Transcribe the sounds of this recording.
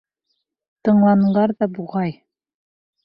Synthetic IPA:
t̪ɤ̆ɴlˠɑnlɑɾðɑbuʁɑj

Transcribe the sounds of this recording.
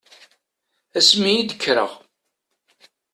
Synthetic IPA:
æsmijid̪əkːɾə̰ʁ

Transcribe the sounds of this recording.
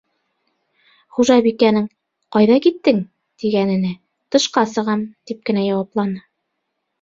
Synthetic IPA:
χuʒɑbikænɘŋ | qɑjðɑkit̪ːɘŋ | t̪iɡænɘ̆nɘ | t̪ɤ̆ʃqɑsɤ̆ʁɑmt̪ip̚kɘ̆næjɑwɑplˠɑnɤ

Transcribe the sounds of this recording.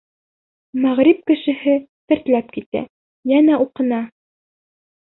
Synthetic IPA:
mæʁɾip̚kɘ̆ʃɘ̆hɘt̪ɘ̆ɾt̪læp̚kit̪æ̰ | jænæuqɤ̆nɑ

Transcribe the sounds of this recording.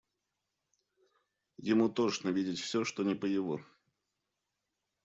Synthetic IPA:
jɪmut̪ot͡ʃnəvʲidʲɪtʲfsʲoʂt̪onʲɪpəjɪvo

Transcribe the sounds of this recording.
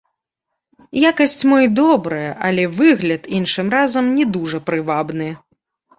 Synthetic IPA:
jakɐsʲt͡sʲmɔjd̪ɔbɾɐjɐʔɐlʲɛvɨɣlʲɐt̪inʂɨmrazɐmnʲɛd̪uʐɐpɾɨvabnɨ

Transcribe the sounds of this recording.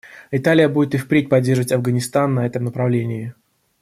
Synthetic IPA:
ɪt̪alʲɪjəbudʲɪt̪ɨfpɾʲet̚ʲpɐdʲːerʐəvətʲɐvɡənʲɪst̪anːɐɛt̪əmnəpɾɐvlʲenʲɪɪ

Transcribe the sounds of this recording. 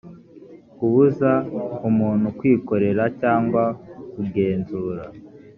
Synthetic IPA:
kuβuzaumuːnhukwiːko̞ɾe̞ɾacaːŋɡwakuɡe̞ːnzuːɾa

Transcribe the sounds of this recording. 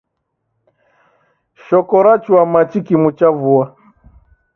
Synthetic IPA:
ʃɔkɔɾat͡ʃuamat͡ʃikimut͡ʃavua

